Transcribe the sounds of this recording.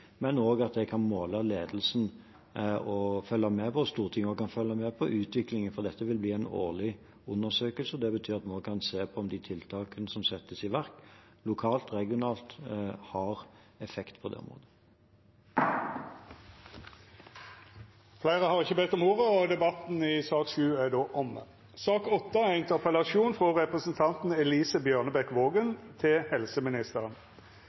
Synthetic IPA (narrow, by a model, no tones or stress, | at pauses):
mɛnoːɡɑt̪̚d̪ɛkʰɑnmoːləleːd̪l̩sn | ɔfœlːɑmɛːpɔɔst̪uːʁt̪ʰɪŋəɔɡkʰɑnfœlːəmɛːpʰɔʔʉːt̪ʰʋɪklɪŋənfɔʁd̪ɛt̪ːəʋɪlbliːæɪno̰ːʁlɪ | ʊnːəsøːkəlsəɔd̪ɛbət̪ʰyːʁɑt̪moːkʰɑnseːpʰɔɔmd̪ɪt̪ʰɪlt̪ʰɑːkənəsɔmsɛt̪ːəsɪʋæʁk | lʊkʰɑːlt̪ʁɛɡɪʊnɑːlt̪hɑʁ | ɛfɛkt̪pʰɔd̪ɛ̰ʊ̰ɔ̰mʁo̰ːd̪ə | flæɪʁəhɑʁɪçəbɛt̪ːɔmoːʁəɔd̪ɛbɑt̪n̩ɪsɑːkʃʉːæd̪oːʔɔmə | sɑːkɔt̪ːəæɪɪnt̪əʁpəlɑʃuːnfʁɔʁɛpʁəsənt̪ʰɑnt̪n̩ɛliːsəbjøːʁnəbɛkʋoːɡənt̪ʰɪlhɛlsəmɪnɪst̪əʁən